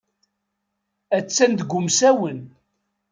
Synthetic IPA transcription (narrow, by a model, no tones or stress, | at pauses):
æt͡sːænd̪ɡʷʊmsæwən